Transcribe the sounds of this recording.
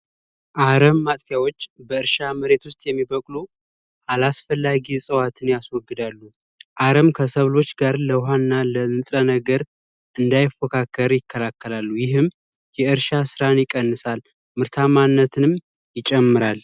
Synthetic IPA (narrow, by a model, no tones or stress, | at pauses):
ʔaɾəmːat̪ʼkjawo̞t͡ʃːbəɨɾʃaməɾe̞t̪wʊst̪ʼjɛmːibəkʼlo | ʔalasfəlːaɡisʼəwat̪ʰɨnjaswɔɡːɨd̪alːu | ʔaɾəmkʰəsəβlo̞t͡ʃːɡaɾləwɦannːaləɨnsʼənəɡəɾ | ʔɨnd̪ajɪfəkʰakːəɾjɪkːəlakːəlalːujɪɦɨm | jɛɨɾʃasɨɾanjɪkʼənːɨsal | mɨɾt̪ʰamanːət̪ʰɨnɨm | jɪt͡ʃʼɛmːɨɾal